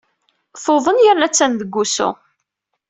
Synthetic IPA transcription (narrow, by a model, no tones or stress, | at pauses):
θoðˤənjəɾnæt͡sːænðəɡːusʊ̰